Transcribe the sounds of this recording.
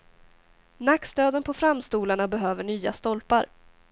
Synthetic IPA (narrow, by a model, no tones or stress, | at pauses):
nakst̪øːd̪ənpʰɔfɾamst̪uːlaɳabɛɦøːvəɳyːa̰st̪ɔlpaɾ